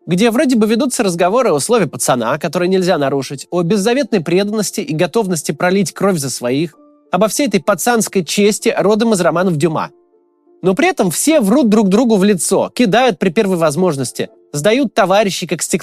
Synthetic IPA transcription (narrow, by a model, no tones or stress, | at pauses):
ɡdʲevɾo̞dʲɪbɨvʲɪd̪ut̪səɾəzɡɐvo̞ɾɨɐʊslˠo̞vʲɪjəpə̥t̪sɐna̰kɐt̪o̞ɾɨjənʲɪlʲzʲanɐɾuʂɨtʲobʲɪzːɐvʲe̞t̪nəjpɾʲed̪ənːəsʲtʲɪʔiɡɐt̪o̞vnəsʲtʲɪpɾɐlʲitʲkɾo̞fʲzəsvɐix | ɐbɐfsʲejɛt̪əjpɐt̪sanskəjt͡ɕesʲtʲɪɾo̞d̪əmɨzrɐmanəfdʲʊma̰ | no̞pɾʲɪɛt̪əmfsʲe̞vrud̪̚d̪ɾuɡ̚d̪ɾuɡʊvlʲɪt̪so̞̰kʲɪd̪ajʊt̪̚pɾʲɪpʲe̞rvəjvɐzmo̞ʐnəsʲtʲɪ̰ | zd̪ɐjut̪ːɐvaɾʲɪɕːɪkaksʲtʲɪk